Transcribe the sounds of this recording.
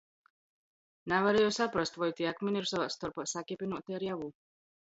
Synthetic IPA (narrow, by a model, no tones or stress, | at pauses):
navaɾɛjosapɾɔst̪vɔjt̪iakminiɾsavast̪ɔɾpasakipʲinuɔt̪ɛɾjavuː